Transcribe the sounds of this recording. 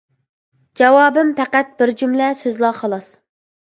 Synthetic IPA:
d͡ʒɑwɑːbɪmpʰɛqæt̪̚b̥ɪɾd͡ʒumlɛsøzlˠɑːχɑlˠɑs

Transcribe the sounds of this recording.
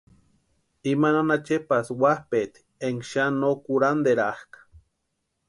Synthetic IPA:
imananat͡ʃepaswahpet̪ | eŋʃanokuɾand̪eɾahkḁ

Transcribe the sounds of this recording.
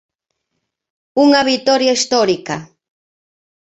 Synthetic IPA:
ʊŋaβit̪oɾjaist̪oɾika

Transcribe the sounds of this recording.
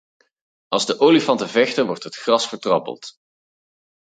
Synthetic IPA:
ʔɑlˠzdəʔoːlifɑntəvɛxtəɹʋɔɹtɦətxrɑsfəɹtrɑpə̰lˠt

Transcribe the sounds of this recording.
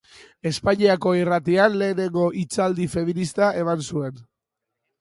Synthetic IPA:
e̞spaɲiako̞irat̪ianle̞ːne̞ŋɡo̞ʔit͡sald̪ife̞minist̪aʔe̞mansue̞n

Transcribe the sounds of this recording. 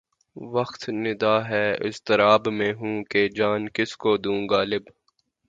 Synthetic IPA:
ʋɐxt̪nɪd̪aːɦɛːɪ̰st̪ɪɾaːbmẽɦũːked͡ʒaːnkɪskod̪ũːɡaːlɪb

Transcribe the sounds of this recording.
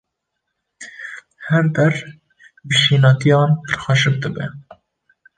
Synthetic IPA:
hɛɾd̪ɛr | bəʃiːnɑːt̪ijɑːnp̪ɨɾxɑʃɨp̚d̪ɨbɛ̰

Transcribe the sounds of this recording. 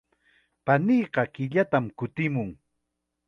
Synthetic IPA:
panijqɑkɪʎat̪amkʊt̪ɪmʊŋ

